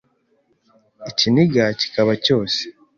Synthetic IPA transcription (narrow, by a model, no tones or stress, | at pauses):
eciniɡaci̥kaβaco̞ːse̥